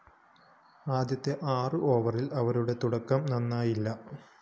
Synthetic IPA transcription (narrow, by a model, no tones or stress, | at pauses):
aːd̪jɐt̪ːe̞ʔaːrɨʔoːʋɐrilɐʋɐɾuɽe̞t̪uɽɐkːɐmnɐnːaːjilːɐ